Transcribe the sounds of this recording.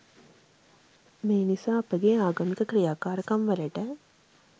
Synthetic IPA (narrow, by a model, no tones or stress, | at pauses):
meːnisaːɐpəɡeːaːɡɐmikəkɾijaːkaːɾəkɐmʋɐlɐʈə